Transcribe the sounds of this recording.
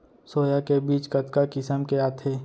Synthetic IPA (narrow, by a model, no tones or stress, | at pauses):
soːjakebiːt͡ʃkət̪kakɪsəmkeaːt̪ʰeː